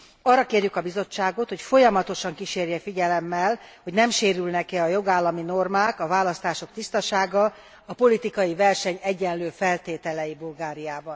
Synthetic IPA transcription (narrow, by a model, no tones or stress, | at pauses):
ɒrːɒkeːrjykɒbizo̞t͡ʃːaːɡo̞t̪ho̞cfo̞jɒmɒt̪o̞ʃɒŋkiʃeːrjɛfiɟɛlɛmːɛlho̞ɟnɛmʃeːɾylnɛkɛɒjo̞ɡaːlːɒmino̞rmaːkɒvaːlɒst̪aːʃo̞kt̪ist̪ɒʃaːɡɒ | ɒpo̞lit̪ikɒjivɛrʃɛɲɛɟːɛnløːfɛlt̪eːt̪ɛlɛjibulɡaːɾijaːbɒn